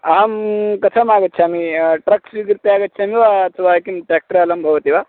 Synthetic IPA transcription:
aːmkɐtʰɐmaːɡɐt̪ːt͡ʃʰiamiʈɾɐksʋiɡiɾt̪eaːɡɐt̪̚ːt͡ʃʰamiʋat͡suʋaːjkimʈaːk̚ʈɾaːlɐmbʱɐʋɐt̪iʋaː

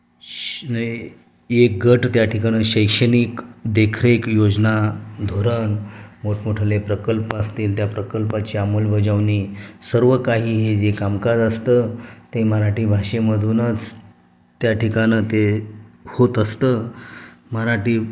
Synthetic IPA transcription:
nə | ek̚ɡəʈt̪jaʈʰikaɽ̃eɕəjkʂəniːkd̪ekʰɾekjod͡znad̪ʱoɾənmoʈʰmoʈʰəlepɾəkəlpast̪iːlt̪japɾəkəlpat͡ɕiːamolʋəd͡ʑəʋnisəɾʋəkaɦiːɦed͡ʑekamkad͡zəst̪ət̪eməɾaʈiːbʱaʂeməd̪ʱunət͡s | t̪jaʈʰikanət̪e | hot̪əst̪əː | məɾaʈiː

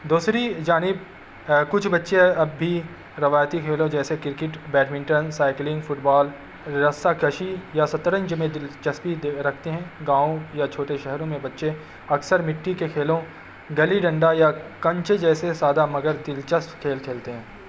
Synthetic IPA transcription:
d̪uːsɾid͡ʒaːnɪb | kʊt͡ʃʰbɐtːʃeɐbːʱi | ɾɐʋaːjt̪ikʰeːlõd͡ʒɛːsekɪɾkɪʈbɛːʈmɪ̃ɳʈənsaːɪklɪ̃ŋɡfʊʈbaːl | ɾɐst̪akɐʃijasɐt̪ɾə̃ɲd͡ʒmẽd̪ɪlt͡ʃəspiɾɐkʰt̪eɦɛ̃ːɡãːõjat͡ʃʰoːʈeʃɛɦɾõmẽbɐtːʃe | ɐksəɾmɪʈːikekʰeːlõ | ɡɐliɖɐ̃ɳɖajakɐ̃ɲt͡ʃd͡ʒɛːsesaːd̪amɐɡəɾd̪ɪlt͡ʃəspkʰeːlkʰeːlt̪eɦɛ̃ː

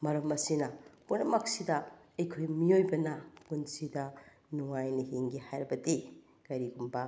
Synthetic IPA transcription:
mɐɾɐmɐsinɐpunɐmɐk̚sidɐɐjkʰojmiojbɐnɐpunsidɐ | nuŋajnɐɦiŋɡihajɾɐbɐdi | kɐɾiɡumbɐ

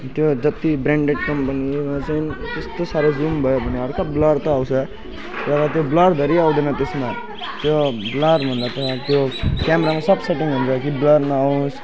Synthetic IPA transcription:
t̪jod͡zʌt̪ibɾaɳɖeɖkʌmpʌnimat͡sainit̪est̪osaɾʌd͡zumbʱʌjobʱʌneɦʌɾkablʌɽt̪ʌːw̃t͡sʰʌ | tʌɾʌt̪joblʌɾd̪ʱeɾiaw̃d̪enʌt̪esma | t̪joblʌɾbʱʌnd̪at̪ʌt̪jokjameɾamasʌbseʈiŋɦunt͡sʰʌkiblʌɾnʌaw̃s

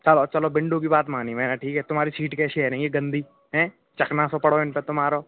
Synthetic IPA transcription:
t͡ʃɐlot͡ʃɐlobɪ̃ɳɖõk̬ibaːt̪maːnimɛ̃ːnaʈʰiːkɦɛt̪ʊmɦaːɾisiːʈkɛːsiɦɛːɾẽĩɡiɡɐ̃nd̪ʱiː | ɦɛ̃ː | t͡ʃɐknasopɐɽoɪnpet̪ʊmɦaːɾo

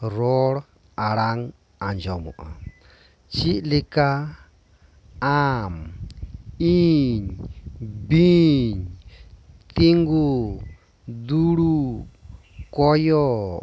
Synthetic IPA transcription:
ɾɔɾ | aɾaŋ | and͡ʒɔmṵʔa̰ | t͡ʃiʔlika | am | iɲ | biɲ | t̪iŋɡu | d̪uɾu | kɔjɔ

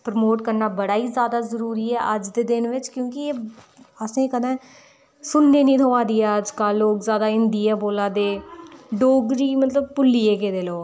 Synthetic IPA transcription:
pɾəmoːʈkəɾnaːbəɽaːiːzjaːd̪aːzəɾuːɾiːɛːʔəd͡ʒd̪eːd̪ɪnʋɪt͡ʃkjõːkɪeː | əsẽːkəd̪ɛ̃ː | sʊnːeːnĩːt̪ʰoːʋãːd̪iːɛəd͡ʒkaːloːkzjaːd̪aːɪnd̪iːɛːboːlãːd̪eːɖoːɡɾiːmət̪ləb̚pʊlːiːeːkeːd̪eːloː

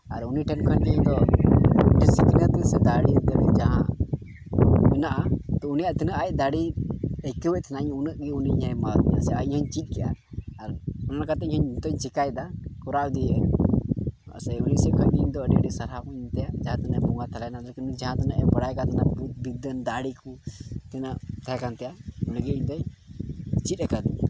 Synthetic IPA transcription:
aɾuniʈʰɛmkʰankiɲd̪ɔ | ɖisikinat̪ɛsɛd̪aɽit̪ɛɾɛd͡ʒaɦã̰ | mɛnaʔat̪ɔunijaʔt̪inəʔac̚d̪aɽiɛkɛwɛc̚t̪ʰnaɲunəʔɡɛuniɲajmad̪̚ɛja̰sɛahɔɲt͡ʃit̪̚ˀkɛja̰ːɾnanakat̪ɛhəɲt̪ɔɲt͡ʃikajd̪akɔɾaʔd̪ijə | sɛunisɛkʰəniɲd̪ɔəɖɛɖisaɾhabɔiɲt̪ɛjaʔd͡ʒaɦãt̪anəbuŋat̪ʰalajnaləkind͡ʒaɦãt̪ʰanəʔɛbəɽajkat̪ʰanaʔbut̪̚bid̪ənd̪aɽikut̪ɛnəʔt̪ʰɛkant̪ɛjauniɡɛiɲt̪ɔɲ | t͡ʃit̪̚ɛkad̪i

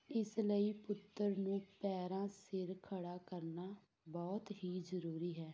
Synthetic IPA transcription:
ɪsləiːpʊt̪ːəɾnũːpɛːɾãːsɪɾkʰəɽaːkəɾnaː | bɔːt̪ɦiːzəɾuːɾiːɦɛː

